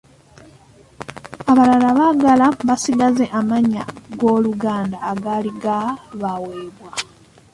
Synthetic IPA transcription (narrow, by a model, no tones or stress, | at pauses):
aβalalaβaɡalaβasiɡaze̞ʔamaɲa̰ɡo̞ːluɡaːndaːɡaliɡaβawe̞ːβwa